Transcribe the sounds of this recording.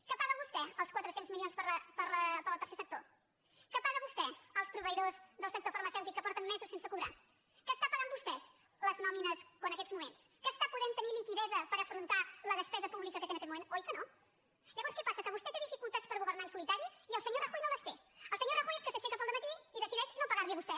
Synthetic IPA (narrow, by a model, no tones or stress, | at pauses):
kəpaɣəβust̪ɛəlˠskwət̪ɾəsenzmilionspəɾəpəɾləpəɾəlˠt̪əɾsesək̚t̪o | kəpaɣəβust̪ɛəlˠspɾuβəiðozðəlˠsək̚t̪ofəɾməsɛwt̪ikːəpɔɾt̪ənmɛzusensəkuβɾa̰ | kəst̪apaɣəmbust̪ɛs | ləznɔminəskoənəkɛzmumenskəst̪apuðent̪ənilikiðɛzəpəɾəfɾunt̪aləðəspɛzəpuβlikəkət̪enəkɛt̪mumẽnojkəno | ʎəβɔnskɛpasəkəβust̪ɛt̪eðifikulˠt̪at̪spəɾɣuβɾnainsulit̪aɾiiəlˠsəɲoraxɔjnõləst̪eəlˠsəɲoraxɔjeskəsət͡ʃɛkapəlˠd̪əmət̪iiðəsiðɛʃnopəɣaɾliəβust̪ɛ